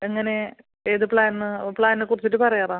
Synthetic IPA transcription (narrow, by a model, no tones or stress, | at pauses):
eŋːɐne̞ | eːðɨpɭaːnnɨpɭaːnnɨkurit͡ɕːiʈːɨpɐrɐjaːraː